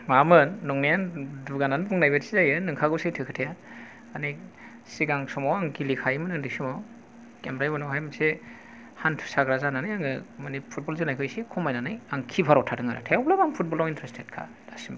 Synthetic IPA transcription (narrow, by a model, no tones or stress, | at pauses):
mamɯnːɔŋnijanduɡananbʰuŋnajbetsizajɯnɯŋkʰaɡɯsejtʰɯkʰɯtʰeja | ani | siɡaŋsɔmawaŋɡilikʰajimɯnɯndisɯma | kemɾajbɯnɔwɦajmɯse | hantʰu̥saɡɾazananajaŋɯmanipʰut̚bɔlzɯnajkʰɯjsekʰɔmajnanɯjaŋkʰipʰaɾɔwtʰadɯŋa̰ɾa̰tʰaɔblabaŋpʰut̚bɔlawintʰɾestʰet̚kʰa̰ | dasim